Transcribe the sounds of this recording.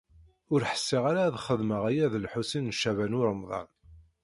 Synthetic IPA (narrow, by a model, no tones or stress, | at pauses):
ʊɾħə̥sːiʁaɾaðχəðməʁæjæðəlħusinːʃːævænʊɾəmðˤɑ̰n